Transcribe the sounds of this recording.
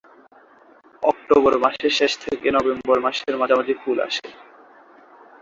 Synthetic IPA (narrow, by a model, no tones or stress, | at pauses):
ɔk̚ʈobɔɾmaʃeʃeʃt̪ʰekenɔbembɔɾmaʃeɾmad͡ʑʱamad̪ifula̰ʃḛ